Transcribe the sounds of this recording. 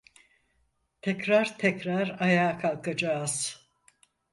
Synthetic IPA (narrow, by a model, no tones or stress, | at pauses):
t̪ʰɛcɾaɾt̪ʰɛcɾaɾajaːkʰalˠkʰad͡ʒaːz̥